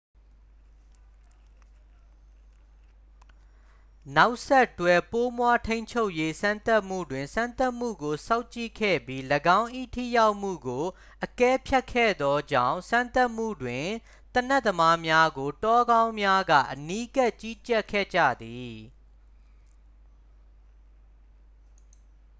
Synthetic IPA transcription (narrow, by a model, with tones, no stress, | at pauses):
na˦ʊʔsɛ˦˨ʔtwɛ˨po˦mwa˦tʰẽ˦ɪ̃ɲt͡ɕʰo˦ʊʔje˦sã˦nt̪a˦ʔm̥ṵ˦˨dwɪ̃˨nsã˦nt̪a˦ʔm̥ṵ˦˨ɡo˨sã˦ʊ̃t͡ɕḭ˦˨kʰɛ̰˦˨bji˦ləɡã˦ʊ̃ʔḭ˦˨tʰḭ˦˨ja˦ʊʔm̥ṵ˦˨ɡo˨ | ʔəkɛ˦pʰja˦kʰːɛ̰˦˨d̪ɔ˦d͡ʑã̰˦˨ʊ̃sã˦nt̪a˦ʔm̥ṵ˦˨dwɪ̃˨ | t̪ənɛ˦ʔt̪ːəma˦mja˦ɡo˨tɔ˦ɡã˦ʊ̃mja˦ɡä̰˦˨ʔəni˦ka˦˨ʔt͡ɕi˦t͡ɕɛ˦˨kʰːɛ̰˦˨d͡ʑä̰˦˨d̪i˨